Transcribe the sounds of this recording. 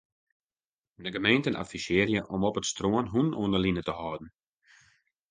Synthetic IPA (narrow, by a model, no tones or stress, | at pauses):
dəɡəmeːntənʔa̰fisɪərjəʔɔmɔpətstroənɦunuənəlinətəhɔːdn̩